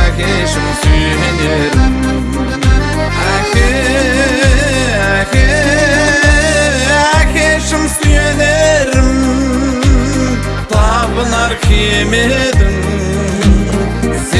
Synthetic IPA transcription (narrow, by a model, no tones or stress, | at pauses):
kʲe | ʃɪmsyjemeneɾɪmm | ækʰʲe | æ | kʲe | ækʲeʃɪmsyjeneɾɪm | t̪ʰɑbənɑɾkʲʰeme | d̪ɪm | se